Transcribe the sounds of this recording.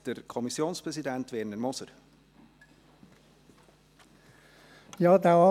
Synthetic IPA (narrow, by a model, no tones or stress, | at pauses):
d̥əɾkʰɔmisjoːnspɾɛsidɛnt̪ʋɛɾnəɾmɔsəɾ | jɑːd̪æɑ